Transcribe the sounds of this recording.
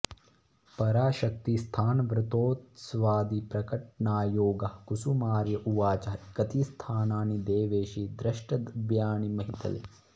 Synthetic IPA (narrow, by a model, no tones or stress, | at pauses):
pɐɾaːʃɐk̚t̪ist̪ʰaːnʋɾɪt̪oːt̪sʋaːd̪ipɾɐkɐʈɳaːjoːɡɐkusumaːɾjɐʔuʋaːt͡ʃɐkɐt̪ist̪ʰaːnaːnid̪eːʋeːʃid̪ɾɐʃʈɐd̪bjaːɳimɐɦit̪ɐ̰lḛ